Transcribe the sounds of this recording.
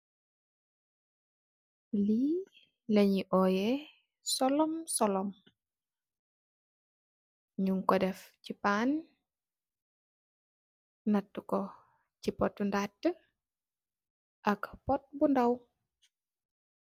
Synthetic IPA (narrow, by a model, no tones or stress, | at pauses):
liː | lɐɲiʔɔjɛ | sɔlɔmsɔlɔm | ɲuŋkɔdɛfcipan | natːukɔ | cipɔtːundatːə | ʔɐkpɔt̚bundaw